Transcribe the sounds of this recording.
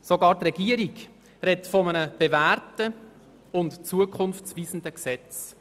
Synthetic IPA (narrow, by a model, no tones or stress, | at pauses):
soɡɑːɾtrɛɡiəɾiɡ | ɾɛtfɔmənəb̥eværtə | ʊntt͡suəkʰχʊnft͡sviːzən̩dəksɛt͡s